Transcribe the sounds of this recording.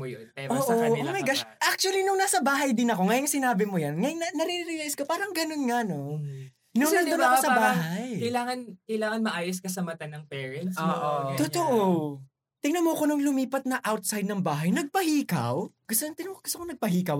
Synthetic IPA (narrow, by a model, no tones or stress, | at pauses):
mʊjopɛoːʔɐoomɐjɡaʃʔak̚t͡ʃuɐlinʊŋnaːsɐbaːɦɐjd̪ɪnɐko̞ŋɐjɐŋsɪnaːbɪmʊjɐnŋɐjnɐnɐɾiɾɪɾɪjɛʔɪskopaːɾɐŋɡɐno̞nŋano̞ | nʊŋɐnd̪onɐkosɐbbaːɦajjkɐjlaːŋɐnkɐjlaːŋɐnmɐʔaːjoskɐsɐmɐt̪anːɐŋpɛːɹɛnt̪soːʔot̪ʊt̪oʔo | t̪ɪŋnɐmokonoŋlʊmiːpɐt̪̚nɐʔawt̪̚sajd̪̚nɐŋbaːɦɐjnɐɡ̚pɐhiːkɐ̰wɡ̥ʊst̪ot̪ɪnoɡʊst̪okonɐɡ̚pɐɦiːkɐw